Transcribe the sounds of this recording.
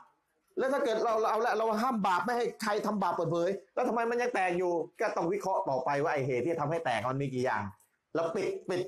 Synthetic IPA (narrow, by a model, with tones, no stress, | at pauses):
lɛː˦˥t̪ʰaː˥˩kɤː˨˩t̪̚ɾa˧wʔa˧wlɛ˦˥ʔɾa˧wa˧˩ɦaː˥˩mbaː˨˩p̚ma˥˩jha˥˩jkʰa˧jt̪ʰa˧mbaː˨˩pːɤː˨˩t̪̚pʰɤː˨˦jlɛː˦˥t̪ʰmːa˧jma˧nja˧ŋt̪ɛː˨˩k̚juː˨˩kɔː˥˩t̪ɔ˥˩ŋwi˦˥kʰɾɔ˦˥ʔt̪ɔː˨˩pa˧jwaː˥˩ʔa˧˩jɦeː˨˩t̪ʰːiː˥˩t͡ɕa˩a˧mha˥˩jt̪ɛː˨˩k̚ma˧nmiː˧k̬iː˨˩ja̰ː˨˩ŋ | lɛː˦˥˩wpi˨˩t̪̚pi˨˩t̪̚